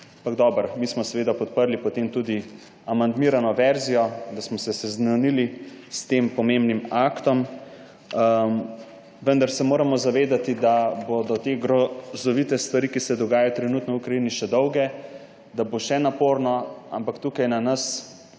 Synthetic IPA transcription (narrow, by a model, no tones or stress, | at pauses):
ampaɡd̪ɔbəɾmiːsmɔsɛʋeːd̪apɔt̪̚pəɾlipɔt̪emt̪ud̪i | amand̪miːɾanɔʋɛɾzijɔd̪asmɔsɛsɛznanili | st̪eːmpɔmembnimakt̪ɔm | ʋənd̪aɾsɛmoːɾamɔzaʋeːd̪at̪id̪abod̪ɔt̪eɡɾɔzɔʋit̪ɛst̪ʋaɾiːkisɛd̪ɔɡaːjajɔt̪ɾɛnut̪nɔukɾaiːniʃɛd̪ɔwɡɛ | d̪aboʃɛnapoɾnɔa̰mpakt̪ukajnanɐs